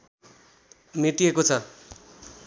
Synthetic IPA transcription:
meʈiekot͡sʰʌ

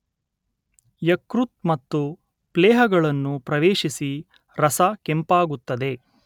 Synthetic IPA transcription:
jɐkɾut̪̚mɐt̪ːu | plɛːɦɐɡɐɭɐnːupɾɐʋeːʃisi | ɾɐsɐkempaːɡut̪ːɐd̪e̞

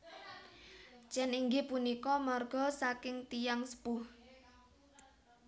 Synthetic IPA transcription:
d͡ʒ̥ɛniŋɡipunikɔmarɡ̥ɔ̤sakɪŋt̪ijaŋsə̥pʊh

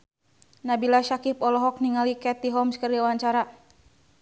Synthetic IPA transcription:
nabilaʃakipɔlɔɦɔk̚niŋalikɛt̪iɦɔmskərdiawaɲt͡ʃaɾa

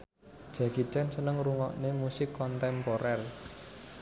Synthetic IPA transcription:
ʒ̥ä̤ki̤t͡ʃɛnsənəŋruŋɔ̰ʔnemusɪkːɔnt̪ɛmpoɾɛr

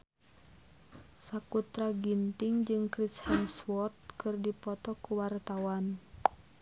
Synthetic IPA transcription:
sakut̪ɾaɡint̪iŋd͡ʒɨŋkɾishɛŋswɔt̪̚kɨrdipɔt̪ɔkuwart̪awan

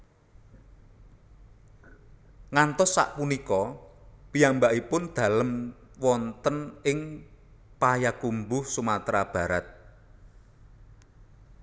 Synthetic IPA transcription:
ŋant̪ɔsːa̰ʔpunikɔpijambaʔipʊnd̪̥a̤ləm | wɔnt̪ənɪŋ | pajakumbʊhsumat̪ɾab̥a̤ɾat̪̚

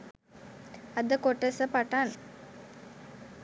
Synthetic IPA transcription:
ɐd̪ɐkɔʈːɐsɐpɐʈːaːn

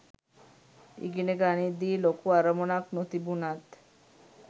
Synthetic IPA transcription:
ḭɡineɡanid̪ilokuaɾəmonaknot̪ibunat̪

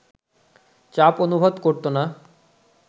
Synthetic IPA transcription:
t͡ɕaponubʱod̪koɾt̪ona

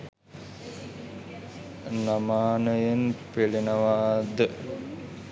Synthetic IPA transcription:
namaːnəjenpilinəʋaːd̪ə

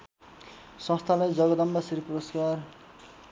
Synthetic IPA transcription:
sʌ̃st̪ʰalajd͡zʌɡʌd̪ʌmbʌsiɾpuɾoskar

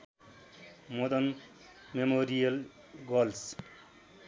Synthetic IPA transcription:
mod̪ʌn | memoɾijʌl | ɡʌls

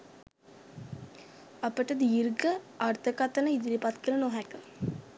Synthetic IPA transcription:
ɐpəʈəd̪iɾɡə | aɾt̪ʰəkat̪ənəid̪iɾipat̪kənənoɦɛkə

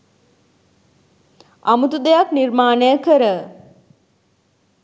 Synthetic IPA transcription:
amut̪ud̪ejaknirmaːnəjəkəɾə

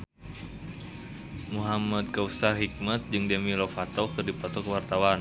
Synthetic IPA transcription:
muɦamad̪̚kausaɦik̚mat̪̚d͡ʒɨŋdɛmilɔfat̪ɔkɨrdipɔt̪ɔkəwart̪awan

